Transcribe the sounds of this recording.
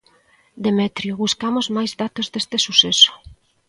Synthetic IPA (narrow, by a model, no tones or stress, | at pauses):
d̪emɛt̪ɾjoβuskamozmajzðat̪ozd̪est̪esuseso̥